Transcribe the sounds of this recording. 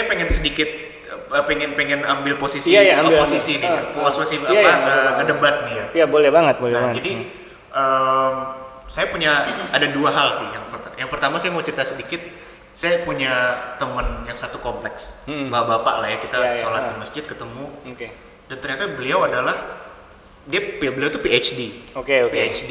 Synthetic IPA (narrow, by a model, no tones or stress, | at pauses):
ajapeŋɛnsədikɪt̪̚ | əpeŋɛnpeŋɛnambɪlposisiajposisinipuwaswasinaaaəkədəbat̪̚nijajabolɛhbaŋət̪̚bolɛbad͡ʒadi | ʔəm | sajapuɲaːdaduaɦalsɪhjaŋpərt̪ajaŋpərt̪amasajamawt͡ʃɾit̪asədikɪt̪̚ | sajapuɲat̪əmənjaŋsat̪ukomplɛksbabapa̰ʔlahjakit̪asolat̪iməsd͡ʒɪd̪̚kət̪əmuoke | dant̪ərɲat̪abəliawadalah | diapubəliawt̪upiet͡ʃdiokeopiet͡ʃdi